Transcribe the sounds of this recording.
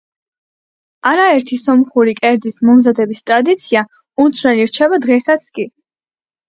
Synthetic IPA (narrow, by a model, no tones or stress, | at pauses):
aɾaɛɾt̪ʰisɔmχuɾikʼɛɾd̪ismɔmzad̪ɛbist̪ʼɾad̪it̪sʰia | uɾt̪sʰwɛliɾt͡ʃʰɛbad̪ʁɛsat̪sʰkʼi